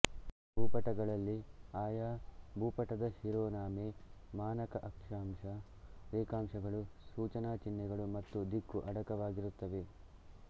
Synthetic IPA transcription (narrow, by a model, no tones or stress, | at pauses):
bʱuːpɐʈɐɡɐɭɐlːiaːjabʱuːpɐʈɐd̪ɐhiɾoːnaːmemaːnɐkɐʔɐkʂaːmʂɐ | ɾeːkaːmʂɐɡɐɭusuːt͡ʃɐnaːt͡ʃinːɛɡɐɭumɐt̪ːud̪ikːuʔɐɽɐkɐʋaːɡiɾut̪ːɐʋe̞